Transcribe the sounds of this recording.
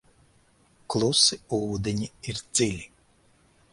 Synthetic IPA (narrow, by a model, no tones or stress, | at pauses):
klˠusɨuːd̪ʲenʲiiɾd̪z̥ɪlʲi